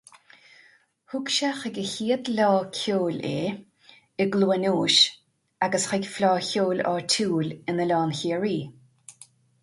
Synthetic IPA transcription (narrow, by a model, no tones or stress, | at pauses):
hʊkʃaxəɡəhiːəd̪lɔːkʰoːlḛː | əɡluːənoːʃ | aɡəsxɪɡflɔːçoːlɔ̰ɹtʰuːlɪnəlɔːnçiːəɹiː